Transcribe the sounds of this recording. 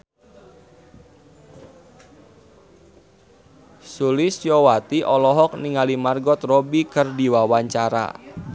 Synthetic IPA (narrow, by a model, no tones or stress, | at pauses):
sulɪsjɔwat̪iʔɔlɔɦɔk̚niŋalimarɡɔt̪robikɨrdiwawaɲt͡ʃaɾa̰